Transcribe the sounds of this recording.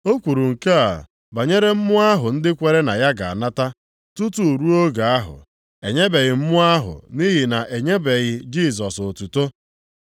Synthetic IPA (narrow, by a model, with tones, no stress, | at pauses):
o˦kʷu˨ɾu˨ŋ̩˨ka˦a̰˨ | ba˨ɲe˦ɾe˦m̩˦mʊ˦a˦ɦʊ˨n̩˦dɪ˦kʷe˨ɾe˦na˨ja˦ɡa˨a̰˨na˦ta˦ | tu˦tu˦˨ɾu˦o˦ɡa˨a˦ɦʊ̰˨ | e˨ɲe˦be˨ɣɪ˨m̩˦mʊ˦a˦ɦʊ̰˨ni˦ɦi˨na˨ʔe˨ɲe˦be˨ɣɪ˨d͡ʒi˦˨s̬ɔ˨so˨tu˨to˦